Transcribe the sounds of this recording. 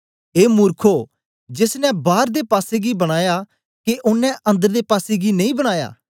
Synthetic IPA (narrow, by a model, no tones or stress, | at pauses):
eːmʊːɾkʰo | d͡ʒɪsnɛ̃baːɾd̪epaːseɡibɐɽ̃aːja | keʔʊnːɛ̃ʔɐ̃nd̪əɾd̪epaːseɡinɐĩːbɐɽ̃aːja̰ː